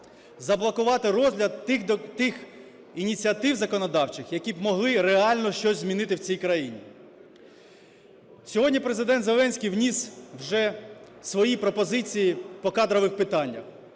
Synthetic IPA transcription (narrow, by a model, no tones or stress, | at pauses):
zɐblˠɐkʊʋɑt̪ɪɾɔzʲlʲɐd̪t̪ɪx | inʲit͡sʲiɐt̪ɪwzɐkɔnɔd̪ɑwt͡ʃɪxjɐkʲibmɔɦlˠɪɾeɑlʲnɔʃt͡ʃɔsʲzʲmʲinɪt̪ɪwt͡sʲijkɾɐjinʲi | sʲɔɦɔdʲnʲipɾezɪd̪ɛnt̪zelˠɛnʲsʲkʲijwnʲiswʒɛsʋɔjipɾɔpɔzɪt͡sʲijipɔkɑd̪ɾɔʋɪxpɪt̪ɑnʲːɐ̰x